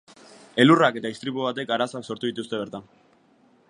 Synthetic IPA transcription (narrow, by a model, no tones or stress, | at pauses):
e̞lurake̞t̪aist̪ɾipuβ̞at̪e̞kaɾasoakso̞ɾt̪uðit̪ust̪e̞β̞e̞ɾt̪an